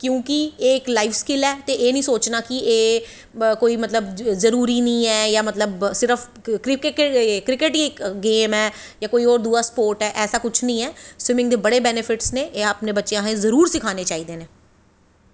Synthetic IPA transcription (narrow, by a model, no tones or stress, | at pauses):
kjũːkɪeːɪklaːiːfskɪlɛːt̪eːʔeːnəĩːsoːt͡ʃnaːkieː | koːiːmət̪ləbzəɾuːɾiːnĩːɛːjaːmət̪ləbsɪɾəpʰ | kɾɪkːkɾɪkɪʈikɡeːmɛː | jaːkoːiːɔːɾd̪uːaːsə̥poːɾʈɛːʔɛːsaːkʊt͡ʃʰnəĩːɛːswɪmɪ̃ŋɡd̪eːbəɽeːbɛːnɪpʰɪʈsneːʔeaːpnẽːbətːʃeãːɦẽːzəɾuːɾsɪkʰaːneːt͡ʃaːiːd̪eːneː